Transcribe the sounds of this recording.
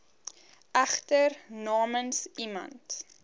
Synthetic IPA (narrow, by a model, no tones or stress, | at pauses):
æχtərnɑːmənsimɐ̰nt